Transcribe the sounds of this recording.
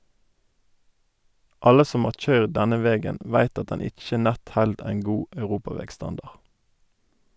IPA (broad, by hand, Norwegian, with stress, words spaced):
ˈɑlə ˈsɔm ˈhɑːʁ ˈc͡çœʏʁd ˈdɛnə ˈʋɛɡən ˈʋæɪt ˈɑt ˈdɛn ˈɪc͡çə ˈnɛt ˈhɛld ˈæɪn ˈɡuː ɑʉˈʁuːpɑˌʋɛɡˌstɑndɑʁ